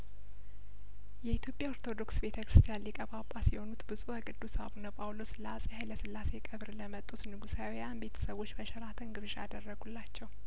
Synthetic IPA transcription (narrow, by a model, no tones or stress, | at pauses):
jɛit̪ʰjo̞pʼjao̞ɾt̪ʰo̞d̪o̞ksbe̞t̪ʰəkɾɨst̪ʰijanlikʼəβapʼasiho̞nut̪bɨzʼuəkʼɨd̪ːusa̰βunəpʼawlo̞sləasʼihajləsɨlːase̞kʼəβɾləmət̪ʼːut̪nɨɡusawijanbe̞t̪ʰə̥səβo̞t͡ʃːbəʃɛɾat̪ʰɨnɡɨβʃa̰d̪ərːəɡulːat͡ʃːɛw